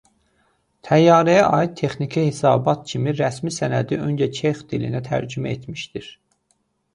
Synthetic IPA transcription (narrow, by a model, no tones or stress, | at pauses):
t̪ʰæjːɑːɾæjæʔɑːit̪̚t̪ʰe̞χnicʰihesɑ̰ːbɑt̪̚cʰimiɾæsmisænæd̪iønd͡ʒæt͡ʃʰeχd̪ilḭnæt̪ʰæ̰ɾd͡ʒymæet̪miʃd̪iɾ̥